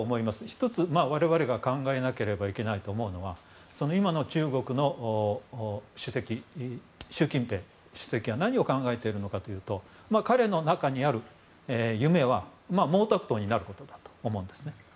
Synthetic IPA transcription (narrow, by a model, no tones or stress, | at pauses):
mo̞imasɨ̥çi̥t̪o̞t͡sɨmaːβaɾe̞βaɾe̞ɡakãŋɡae̞nake̞ɾe̞baike̞nait̪o̞ːmo̞ɯ̟no̞βa | so̞no̞imano̞t͡ɕɨːɡo̞kɯ̟no̞ | ɕɨse̞kʲi | ɕɨːkʲĩmpe̞ː | ɕɨ̥se̞kʲianaɲ̟io̞kãŋɡae̞t̪e̞iɾɯ̟no̞kat̪o̞jɯ̟ːt̪o̞ | maːkaɾe̞no̞nakaɲ̟iaɾɯ̟ | ejɯ̟me̞βamaːmo̞ːt̪akɯ̟t̪o̞ːɲ̟inaɾɯ̟ko̞t̪o̞d̪ḁt̪o̥ːmõ̞ːnd̪e̞sɨne̞